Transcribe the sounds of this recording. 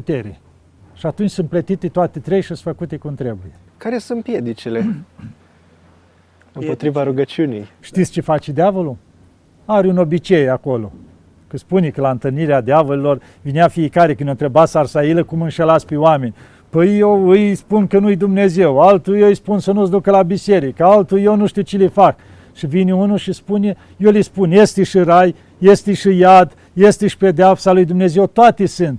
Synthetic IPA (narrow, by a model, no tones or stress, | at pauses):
put̪eɾe | ʃiat̪unt͡ʃʲsɨnt̪plət̪it̪et̪oat̪et̪ɾejʃisfəkut̪ekumt̪ɾe̞buje | kaɾesunt̪pjed̪it͡ʃile | ɨmpo̞t̪ɾivaɾuɡət͡ʃiunijʃt̪it̪st͡ʃefat͡ʃed̪eavolu | aɾʲuno̞bit͡ʃejako̞lo̞̰ | kɨspunekəlaɨnt̪ɨlniɾead̪eavolelo̞r | vineafijekaɾekɨnont̪ɾebat̪sarsailəkumɨnʃelat̪sʲpewame̞nʲ | pəjjewɨjspunkənujd̪umne̞ze̞walt̪ujewɨjspunsənusd̪ukəlabiseɾikəalt̪ujewnuʃt̪iwt͡ʃelifak | ʃivinʲunuʃispune | jolijspunjest̪eʃɨɾaj | jest̪eʃɨjad̪ | jest̪eʃi̥pe̞d̪eapsalujd̪umne̞ze̞wt̪oat̪esɨnt̪